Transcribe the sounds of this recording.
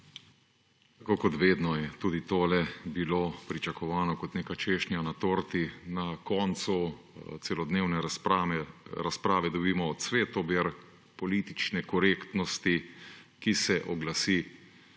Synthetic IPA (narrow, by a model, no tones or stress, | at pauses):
t̪akoːkɔt̪ʋeːd̪nɔjɛt̪uːd̪it̪oːlɛbiloːpɾit͡ʃakɔʋaːnɔkɔt̪neːkat͡ʃeːʃnjanat̪oːɾt̪inakɔːnsu | t̪sɛlɔd̪neːwnɛaɛɾaspɾaːʋɛd̪ɔbiːmɔːsʋeːt̪ɔbeɾ | pɔliːt̪it͡ʃnɛkɔɾeːkt̪nɔst̪ikisɛʔɔɡlasiː